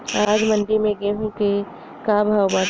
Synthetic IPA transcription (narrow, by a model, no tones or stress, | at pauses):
aːd͡ʒmə̃nɖimẽɡeɦũke | kabʱaːwba